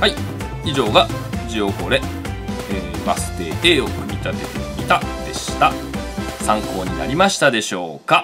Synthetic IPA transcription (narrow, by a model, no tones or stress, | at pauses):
hai | iʑo̞ːɡa | d͡ʑio̞ko̞ːɾe̞ | eːbasɨ̥t̪e̞̰ːʔeːokɯ̟mʲit̪at̪e̞t̪emʲit̪ad̪̥e̞ɕi̥t̪a | sãŋko̞ːɲ̟ina̰ɾʲimaɕi̥t̪ad̪e̞ɕo̞ːka